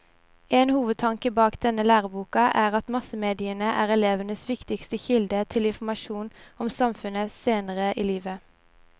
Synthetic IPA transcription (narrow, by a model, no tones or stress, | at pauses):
ɛːnhuːʋəd̪̚t̪ʰɑŋkəbɑːkd̪ɛnəlæːʁəbuːkɑʔæːʁɑt̪mɑsəmeːd̪ɪənəʔæːʁɛleːʋənəsʋɪkt̪ɪkst̪əçɪld̪ət̪ʰɪlɪnfɔmɑʃuːnɔmsɑmfʉnəseːnəʁəʔiːliːʋə